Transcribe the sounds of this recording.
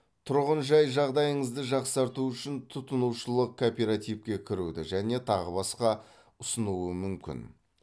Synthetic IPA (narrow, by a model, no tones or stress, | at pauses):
t̪ʰʊɾʁənʒɑjʒɑʁd̪ɑjəɴəzd̪əʒɑqsɑɾt̪uʏʃɪnt̪ʰʊt̪ənuwʃəlˠəq̚kʰopʲeɾat̪ijpkʲe̞kʲʰɪɾud̪ɪ̰ʒæne̞t̪ʰɑʁəbɑsqɑ | ʊsənuwəmʏmkʲɪ̰n